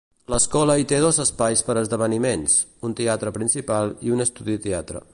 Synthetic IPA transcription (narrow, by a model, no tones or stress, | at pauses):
ləskɔləit̪eð̞ozəspajspəɾəzðəβ̞ənimens | unt̪eat̪ɾəpɾinsipalˠiunəst̪uðit̪eat̪ɾə̰